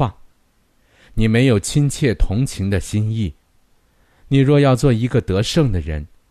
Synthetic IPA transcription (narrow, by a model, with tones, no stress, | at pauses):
a˥˩ | ni˨˩me˧˥ɪjo˨˩ʊt͡ɕʰi˥nt͡ɕʰjɛ˥˩t̪ʰʊ˧˥ŋt͡ɕʰi˧˥ŋd̪ə˧ɕi˥ni˥˩ | ni˨˩ɻwɔ˥˧jɑ˥˧ʊt͡swɔ˥˩i˧˥ɡə˧t̪ɤ˧˥ʂɤ˥˩ŋd̪ə˩ɻə˧˥n